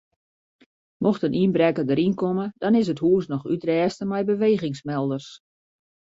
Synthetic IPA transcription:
moxtənʔinbrɛkədəɾinkoməd̥ɔnɪs̬əthuəsnɔxytrɛːstəmɛjbəʋeːɣɪŋsmɛlˠdərs

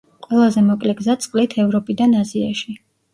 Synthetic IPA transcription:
qʼwɛlˠazɛmɔkʼlɛɡzat̪sʼqʼlit̪ʰɛvɾɔpʼid̪anazia̰ʃi

